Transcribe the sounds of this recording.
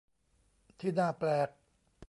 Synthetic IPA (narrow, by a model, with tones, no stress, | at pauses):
t̪ʰiː˥˩naː˥˩plɛː˨˩k̚